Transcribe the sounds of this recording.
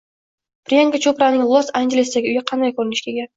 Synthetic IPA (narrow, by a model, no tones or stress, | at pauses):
b̥ɾieŋɡat͡ʃʰopɾanɪŋlˠosaŋɡʲelʲɪsd̪aɡʲɪʊjɪqʰɑnd̪ajkʰɵɾɪnɪʃkʲʰeɡʲa